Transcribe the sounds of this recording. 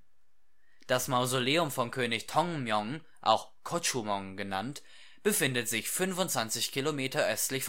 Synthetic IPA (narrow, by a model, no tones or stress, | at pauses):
d̥asmaʊzoleːʊmfɔnkʰøːnɪçtʰɔŋmjɔŋ | ʔa̰ʊxkʰɔt͡ʃumɔŋɡəna̰nt | b̥əfɪndətz̥ɪçfʏnfʊntt͡sv̥ant͡sɪçkʰilomeːtɐʔœstlɪçf